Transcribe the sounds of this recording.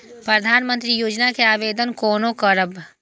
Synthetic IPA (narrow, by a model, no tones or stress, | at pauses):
pɾəd̪ʱaːnmə̃nt̪ɾijoːd͡ʒnakeaːʋeːd̪ənkɔːnokəɾəb